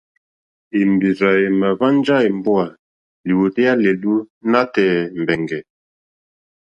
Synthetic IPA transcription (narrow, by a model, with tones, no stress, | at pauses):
i˨mbi˨za˨e˨ma˨va˦n˦d͡ʒa˦e˨m˦bu˦a˨ | li˨wu˨tɛ˦ja˦le˨lu˦na˦tɛː˨m̩˨bɛ˨ŋɡɛ˨